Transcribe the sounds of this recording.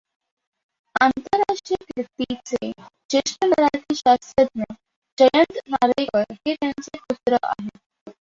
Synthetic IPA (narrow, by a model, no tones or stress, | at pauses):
ant̪əɾːaʂʈɾijəkiɾt̪it͡sed͡ʑeʂʈənəɾaʈiɕast̪ɾət̪̚nə | d͡ʑəjənt̪naɾajʋəɾɦet̪jant͡seput̪ɾəʔa̰ɦe